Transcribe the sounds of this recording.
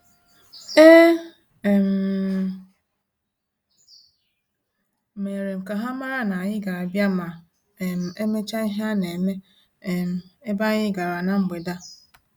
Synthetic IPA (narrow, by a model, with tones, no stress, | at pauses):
e˦˨ | m̩˨ | me˨ɾe˨ŋ͡m̩˨ka˨ɦa˦ma˦ɾa˦na˨jɪ˦ɡa˨ɾa˨bja˦ma˨ | e˨m̩˨e˦me˦t͡ʃa˦i˦ɦa˦ne˨me˦ | e˨m̩˨e˦ba˦ɲɪ˦ɡa˨ɾa˨na˨m̩˦ɡ͡be˨da˦